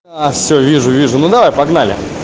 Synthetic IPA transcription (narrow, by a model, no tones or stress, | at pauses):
afsʲɵvʲiʐʊvʲiʐʊnud̪ɐvajpɐɡnalʲɪ̰